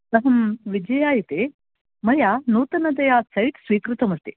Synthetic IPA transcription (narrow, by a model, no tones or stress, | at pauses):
t̪ɐɦɐmʋid͡ʒɐjaːjit̪e | mɐjaːnuːt̪ɐnɐd̪ɐjaːsɐjʈsʋiːkɾut̪ɐmɐɾt̪i